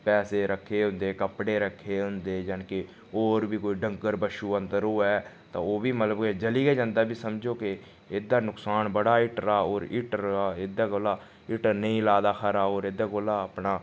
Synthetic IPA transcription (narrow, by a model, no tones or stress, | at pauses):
pɛːseːɾəkʰːeːɦʊ̃nd̪eːkəpɽeːɾəkʰːeːɦʊnd̪eːd͡ʒankɪ | oːɾbiːkoːiːɖəŋkəɾbəʃuːə̃nd̪əɾoːɛː | t̪ã̰ːoːbiːmət̪ləbked͡ʒəliːɡeːd͡ʒãːnd̪aːbiːsəmd͡ʒoːkɪ | ɪːd̪aːnʊksaːnbəɽaːɪʈɾaːoːɾɪʈɾaːɪd̪aːɡoːlaː | ɪʈənəĩːlaːd̪aːkʰəɾaːoːɾed̪aːɡoːlaːəpnaː